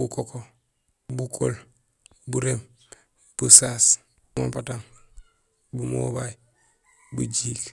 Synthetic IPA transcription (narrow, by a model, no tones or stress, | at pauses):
bukokʰo | bukʰo̰l | buɾem | b̥usaːs | buma̰pataŋ | bumo̰baj | bṵɟiːk